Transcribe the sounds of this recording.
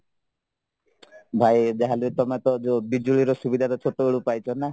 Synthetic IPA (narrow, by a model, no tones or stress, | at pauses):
bʱajd͡ʒaɦalut̪ɔmat̪ɔd͡ʒobid͡ʒuɭiɾɔsubid̪ʱat̪ɔt͡ʃʰoʈoeɭupajt͡ʃʰɔna